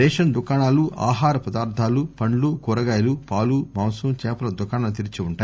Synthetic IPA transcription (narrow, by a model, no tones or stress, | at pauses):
ɛːʃɐnd̪ukaːɳaːluʔʔa̰ːɦaːɾɐpɐd̪aːɾd̪ʰʱaːlupɐɳlukuɾɐɡaːjɐlupaːlumaːwsumt͡ʃɛːpɐlɐd̪ʊkaːɳant̪iɾit͡ʃiuɳʈaː